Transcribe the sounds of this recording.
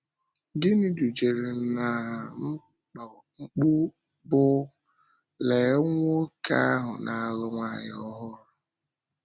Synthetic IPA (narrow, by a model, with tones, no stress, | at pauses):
dɪ˦ni˦du˨d͡ʒe˨ɾe˨n̩˨˦na˨m̩˦ | k͡p | ŋ͡m̩˦k͡pu˦ | bʊ˦ | le˨˦ŋʷo˦ka˦a˦ɦʊ̰˨nʔa˨ɣʊ˦ŋʷa˦˨ɲ˦ɔ˦ɦʊ˦ɾʊ˨